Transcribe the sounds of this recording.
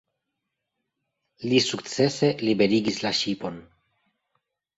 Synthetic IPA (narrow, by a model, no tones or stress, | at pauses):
lisukt͡se̞se̞libe̞ɾiɡislaʃipo̞n